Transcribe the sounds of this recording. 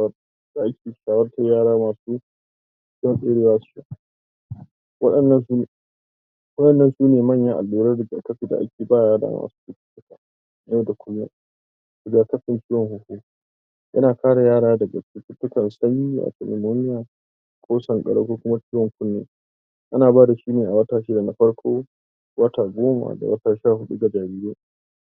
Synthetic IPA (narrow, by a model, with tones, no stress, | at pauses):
wr | d̥a˦ʔa˦kʲeː˨˦ʃaː˨wɐ˦rta˦jaː˦ɾaː˦maː˨suː˦ | t͡ʃːɔ˦nsʼeː˦ɽeː˦waː˦sʊ̥˦a˨ | wɐ˦ɗɐ˨nːɐ˦nsu˦ | wɐ˦ɗɐ˨nːɐ˦nsuː˦neː˨mɐ˦˨ɲjɐ˦ʔa̰˨lːuː˦ɾɐ˦dɪ˨ɡa˨kɐ˦ɸiː˨da̰˨ʔa̰˦kʲeː˨baː˦˨jaː˦da̰ː˦ma̰ː˨su̥ː˦tɪ˦kʲɪ̥˦tːʊ˦kaː˨ | na˦da˨kʷʊ˦lːa̰˦ | dɪ˨ɡa˨kɐ˦ɸɪ˨nt͡ʃiː˦wɔ˨ŋhʊ˦huː˦ | jʔɐ̰˦naː˨kaː˦ɽa˨jaː˦ɽaː˦dɐ˨ɡa˨ɪ˦tʲɪ˦tːʊ˦kɐ˨nsɐ˦ɲjiː˦ʔa̰˨tɛ˨lɛ̰˨moː˦nɪ˦jaː˨ | kʷʰoː˦sɐ˨ŋkʼɐ̰˨ɽɐ̰˦kʷoː˦kʷʊ˦ma˦t͡ʃiː˦wɔ˨ŋkʷʊ˦nːḛː˦ | ʔa˦naː˨baː˦da˨ʃiː˦neː˨ʔa˨wɐ˦taː˨ʃɪ˦da˨na˨ɸɐ˦ɽkʰʷoː˦ | wɐ˦taː˨ɡʷoː˦ma̰˨da̰˨wɐ˦taː˨ʃaː˦˨ɦʊ˦ɗu˦ɡa˨d͡ʒaː˨ɾiː˦ɾeː˦